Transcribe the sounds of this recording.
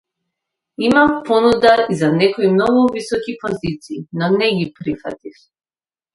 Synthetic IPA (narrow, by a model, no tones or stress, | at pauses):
imapɔnud̪aizanɛkɔimnɔɡuvisɔkipɔzit̪siːnɔnɛɡipɾifa̰t̪if